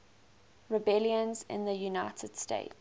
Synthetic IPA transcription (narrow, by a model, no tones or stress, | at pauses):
ɹɪbɛljə̃nzɪ̰̃nðəjunaɪtʰəd̥stḛɪt